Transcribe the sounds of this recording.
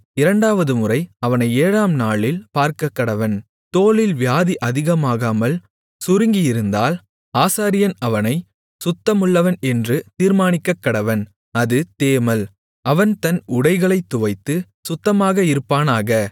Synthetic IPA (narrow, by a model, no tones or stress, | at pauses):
ɪɾɐɳɖaːʋɐðɯmʊrɐɪɐʋɐnɐɪeːɾaːmnaːɭɪlpaːɾkɐkːɐɽɐʋɐn | t̪oːlɪlʋjaːðiʔɐðɪɣɐmaːɣaːmɐl | sʊɾɯŋɡɪjɪɾɯnd̪aːl | aːsaːɾɪjɐnɐʋɐnɐɪ | sʊt̪ːɐmɯɭːɐʋɐnɛndrɯt̪iːɾmaːnɪkːɐkːɐɽɐʋɐn | ɐðɯt̪eːmɐl | ʔɐʋɐnt̪ɐnʊɽɐɪɣɐɭɐɪt̪ːʊʋɐɪt̪ːɯ | sʊt̪ːɐmaːɣɐɪɾɯpːaːnaːɣɐ